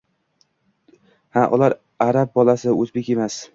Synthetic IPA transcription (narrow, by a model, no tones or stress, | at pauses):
haʔʊ̰laɾ | aɾap̚bɒlasɪɵzbe̞kʲe̞mas